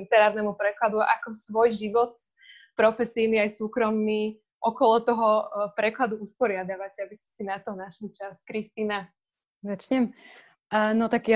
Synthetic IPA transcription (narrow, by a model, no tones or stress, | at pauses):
it̪ɛɾaːɾnɛmupɾɛklad̪uʔa̰kɔsʋɔjʒiʋɔt̪ | pɾɔfɛsiniajsuːkɾɔmni | ʔɔkɔlɔt̪ɔɦɔpɾɛklad̪uuspɔɾɪad̪aʋacabiscɛ̥sinat̪ɔnaʃlit͡ʃaskɾist̪iːna | zat͡ʃɲɛm | nɔt̪akj